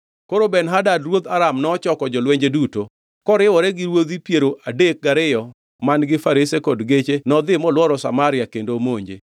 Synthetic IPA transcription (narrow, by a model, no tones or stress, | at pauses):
koɾobɛnɦadadɾwod̪aɾamnɔːt͡ʃɔkɔd͡ʒɔlweɲd͡ʒeduto | kɔɾɪwɔɾɛɡɪɾwod̪ipjeɾoʔadek̚ɡaɾɪjɔ | manɡɪfaɾɪsekɔdɡet͡ʃenɔd̪ɪmɔlwɔɾɔsa̰maɾɪjakendomoɲd͡ʒḛ